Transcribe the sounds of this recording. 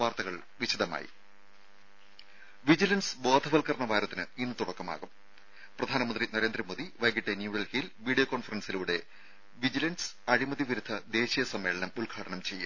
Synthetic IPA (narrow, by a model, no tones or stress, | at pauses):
ʋaːrt̪ɐɣɐɭ | ʋiɕid̪ɐma̰ːjḭ | ʋid͡ʑilɐnsbo̞ːd̪ʱɐʋɐlkɐrɐɳɐʋaːɾɐt̪ːinɨinːɨt̪uɽɐkːɐma̰ːɣum | prɐd̪ʱaːnɐmɐnd̪rinɐɾe̞ːnd̪rɐmoːðiʋɐjɡiʈːenjuːɽɐlhilʋiːɽijoːkoːnfɐrɐnsiluːɽe̞ | ʋid͡ʑilɐns | ɐɻimɐðiʋiɾud̪ʱːɐd̪e̞ːɕijɐsɐmːe̞ːɭɐnɐmulɡʱaːɽɐnɐmt͡ɕe̞jːṵ